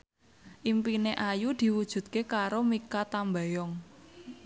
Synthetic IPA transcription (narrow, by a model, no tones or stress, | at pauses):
ʔimpineʔajud̪̥i̤wud̥ʒ̥ṳt̪̚kekaɾomikat̪ambajɔŋ